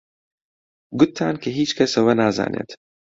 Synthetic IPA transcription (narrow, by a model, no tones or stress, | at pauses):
ɡʊt̪ʰːaːnkʰɐɦiːt͡ʃkʰɐsɐwɐnaːza̰ːnʔḛːt̪